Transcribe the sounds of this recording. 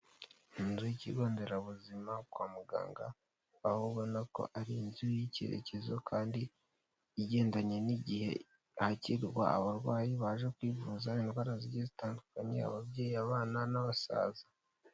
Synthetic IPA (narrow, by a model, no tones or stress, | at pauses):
inzujicḭɡo̞ːnde̞ɾaβuzimakwaːmuɡa̰ːŋɡaː | huβbɡonako̞̰ʔaɾinzujice̞̰ɾḛce̞zo̞kʰaːndiː | ɟe̞ːndaɲe̞niɟihe̞̰ | haciɾɾwa̰aβaɾɡwaːjiβaːʒekwiːvuːzainɡwaɾaziɟezitaːndukaɲe̞̰a̰βabɟeːjiaβaːnanaβasa̰ːzḁ